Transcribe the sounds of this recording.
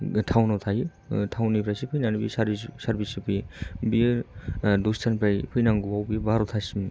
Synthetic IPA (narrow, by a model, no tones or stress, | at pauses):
tʰawnɔtʰaju | tʰawnipʰɾajsipʰɯjnanbḭsaɾissaɾbisipʰɯjbi | dostʰanpʰɾajpʰɯjnaŋɡuwawbibaɾɔt̪ʰasim